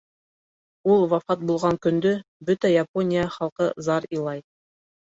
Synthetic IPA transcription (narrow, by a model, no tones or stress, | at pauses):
ulˠwɑfɑt̪̚bulˠʁɑŋkɵ̆nd̪ɵ | bɵt̪æjaponʲɪjəχɑlˠqɤzɑɾilˠɑj